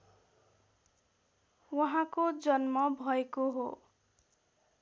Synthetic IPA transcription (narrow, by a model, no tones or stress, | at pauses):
wʌɦãkod͡zʌnmʌbʱʌekoɦo